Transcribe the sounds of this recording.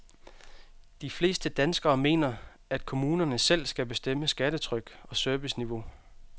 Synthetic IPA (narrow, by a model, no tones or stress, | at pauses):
d̥ifle̝̰ːsd̥əd̥ænsɡ̥ɐːme̝̰ːnɐ | æd̥̚kʰo̝muːnɐnəsel̰sɡ̥æb̥e̝sd̥em̰əsɡ̥æɾ̥ət͡sʰʁœɡ̥ɒ̽søɐʋisniʋo̝